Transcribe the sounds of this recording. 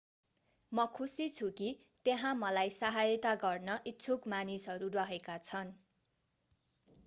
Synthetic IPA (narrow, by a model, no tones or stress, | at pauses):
mʌkʰusit͡sʰuki | t̪eɦãmʌlajsaɦajʌt̪aɡʌrnʌʔisʰokmanisʌɾurʌɦekat͡sʰʌn